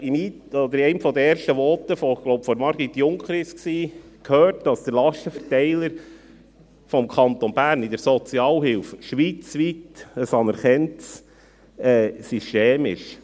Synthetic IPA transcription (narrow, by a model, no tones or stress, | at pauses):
imi | ɔd̪əɾɛɪmfɔd̪əɛːɾʃtəʋɔt̪əfɔɡ̥lowpfɔɾmɑɾɡ̥it̪ːjʊŋkχɾɪsksiːkʰhøːɾtd̥ɑsd̥̪əɾlɑʃtəfəɾtɛɪləɾ | fɔmkʰɑnt̪ɔnbæːɾnid̪əɾsɔt͡siɑːlɦɪlfʃʋiːt͡sʋit̪əsɑnəɾχɛnts | ɛːsyʃteːmɪ̰ʃ